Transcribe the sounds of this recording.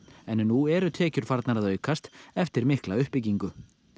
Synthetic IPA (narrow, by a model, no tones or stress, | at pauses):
ɛnːuɛɾʏt̪ʰɛːcʏɾ̥faɾt̪naɾaðœɥkast̪ɛft̪ɪɾmɪhklaʏhpːɪciŋkʏ